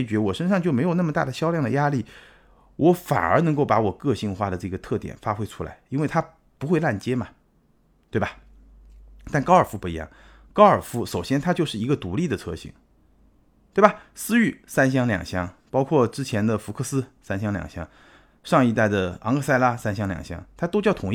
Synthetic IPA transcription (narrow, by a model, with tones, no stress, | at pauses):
t͡ɕɥɛ˧˥wɔ˨˩ʂə˥nʂɑ˥˧ŋt͡ɕjo˥˩ʊme˧˥ɪjo˨˩ʊna˥˩mə˩t̪a̰˥˩d̪ə˩ɕjɑ˥ʊljŋd̪ə˩ja˥li˥˩ | wʔɔ˧˥fa̰˨˩nə˞˧˥nɤ˧˥ŋko˥˩ʊpa˧˥wɔ˨˩kɤ˥˧ɕi˥˧ŋxwa˥˧˩d̪ə˩ʈ͡ʂɤ˥˩ɡə˩t̪ʰɤ˥˩t̪jɛ̰˨˩nfa˥xwe˥ɪʈ͡ʂʰu˥la̰˧˥ɪi˥nwe˥˩ɪt̪ʰa˥ | pu˧˥xwe˥˧ɪla˥˩nt͡ɕjɛ˥mɐ˨ | t̪we˥˩ɪba˩ | t̪a˥˩nkɑ˥ʊə˞˨˩fu˧˥pu˥˩i˧˥jɑ̰˥˩ŋ | kɑ˥ʊə˞˨˩fu˥ʂo˨˩ʊɕjɛ˥nt̪ʰa˥t͡ɕjo˥˧ʊʂɻ̩˥˩i˧˥ɡə˧t̪u˧˥li˥˩d̪ə˩t͡sʰɤ˥ɕḭ˧˩˦ŋ | t̪we˥˩ɪba˨˩sɹ̩˥y˥˩sa˥nɕ̬jɑ˥ŋljɑ̰˨˩ŋɕjɑ˥ŋpɑ˥ʊkʰwɔ˥˩ʈ͡ʂɻ̩˥t͡ɕʰjɛ˧˥nd̪ə˨fu˧˥kʰɤ˥˩sɹ̩˥sa˥nɕjɑ˥ŋljɑ̰˨˩ŋɕjɑ̰˥ŋ | ʂɑ˥˧ŋi˧˥˧t̪a˥˩ɪd̪ə˩ɑ̰˧˥ŋkʰɤ˥˧sa˥˧ɪla˥sa˥nɕ̬jɑ˥ŋljɑ̰˨˩ŋɕjɑ̰˥ŋt̪ʰa˥t̪o˥ʊt͡ɕjɑ˥˩ʊt̪ʰʊ˨˥ŋ˥